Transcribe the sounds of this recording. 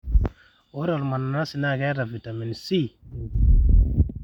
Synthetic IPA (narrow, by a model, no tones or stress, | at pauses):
oɾalumanannasinaɡaɾavit̪aminsi